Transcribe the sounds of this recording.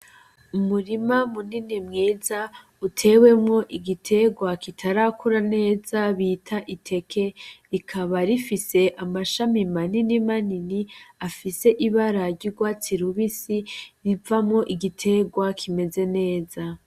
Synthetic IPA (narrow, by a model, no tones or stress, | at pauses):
umuɾimamuninimŋiːza | utʰe̞we̞mŋo̞ʔiɡitʰe̞ɡwakitʰaɾakʰuɾane̞ːzaβiːtʰaʔitʰe̞kʰe̞ɾikʰaβaɾifise̞ʔamaʃamimaninimaniniafise̞ʔiβaɾaɾɟuɡwaːt͡siɾuβisiɾivamŋo̞ʔiɡitʰe̞ɡwakʰime̞ze̞ne̞ːza